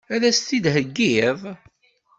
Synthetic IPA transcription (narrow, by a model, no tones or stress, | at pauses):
æɾæst̪id̪ɦəɡːiðˤ